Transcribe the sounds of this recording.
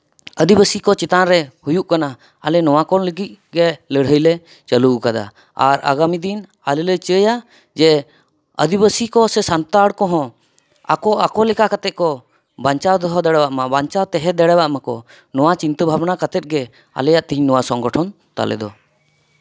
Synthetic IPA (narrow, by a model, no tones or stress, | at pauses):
əd̪ibəsikɔt͡ʃɛt̪anɾɛhujuʔkana | a̰lɛnɔwakɔnləɡic̪̚ɡɛləɽ̤əjlɛ | t͡ʃəlukad̪a̰ | a̰ɾa̰ɡamid̪in | alɛlət͡ʃəja | d͡ʒɛ | ə̰d̪ibəsikɔsɛsant̪aɽkɔɦɔ̃ | a̰kɔakɔlɛkakat̪ɛt̪̚kɔ | baɲt͡ʃawd̪ɔɦɔd̪ɛɽɛwaʔmabaɲt͡ʃawt̪ɛɦɛd̪ɛɽɛbaʔmakɔ | nɔwat͡ʃint̪əbʱabnakat̪ɛt̪̚ˀɡɛ | a̰lɛjaʔt̪ɛɦiɲnɔwasɔŋɡɔʈʰɔn | t̪a̰lɛ̰d̪ɔ